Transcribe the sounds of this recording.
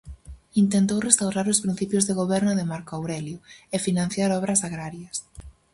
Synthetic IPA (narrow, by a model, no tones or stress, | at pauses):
int̪ent̪owrest̪awɾaɾʊspɾin̟θipjʊzðeɣoβɛɾnʊðemaɾkoawɾɛljʊefinãn̟θjaɾɔβ̞ɾɐsaɣɾaɾjɐs